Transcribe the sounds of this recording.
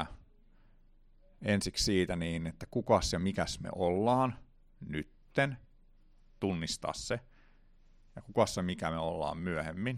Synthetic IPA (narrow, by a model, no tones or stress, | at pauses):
ɑ | ensikssiːt̪æniːnet̪ːækukɑsjɑmikæsmḛʔolːɑːn | nyt̪ːen | t̪unːist̪ɑ̰ːsse | jɑkukɑssemikæmeolːɑ̰ːmmyøhemːin